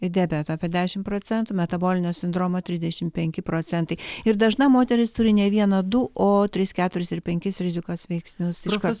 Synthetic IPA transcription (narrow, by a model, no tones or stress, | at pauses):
ɪd̪ʲæːbʲɛt̪oɐpʲiɛd̪ʲæːʃʲɪmpɾoːt͡s̪ʲɛnt̪umʲɛt̪ɐboːlʲɪnʲoːsʲɪnd̪ɾoːmoːt̪ʲɾʲɪzd̪ʲɛʃʲɪmpʲɛŋʲkʲɪpɾoːt͡s̪ʲɛnt̪ɐɪɪɾd̪ɐʒnɐmoːt̪ʲɛɾʲɪst̪ʊɾʲɪnʲɛʋʲiɛnɐd̪ʊʔoːt̪ʲɾʲɪskʲæːt̪ʊɾʲɪsɪɾpʲɛŋʲkʲɪsɾʲɪzʲɪkoːsʋʲɛɪksʲnʲʊsɪʃkɐ